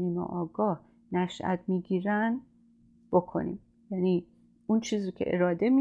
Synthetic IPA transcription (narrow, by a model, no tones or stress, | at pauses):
niːmḛʔɒːɡɒːh | næʃʔæ̰t̪̚ʰmiːɡiːɾæn | b̥okʰo̞̰nḭːm | jæni | unt͡ʃʰiːzɾocʰḛʔḛɾɒːd̪e̞mi